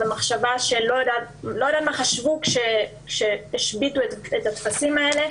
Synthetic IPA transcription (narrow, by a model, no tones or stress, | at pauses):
emaχʃavaʃe̞lo̞jodatlojod̪at̪maχaʃvukʃekʃe̞eʃbituetetatfasimae̞le̞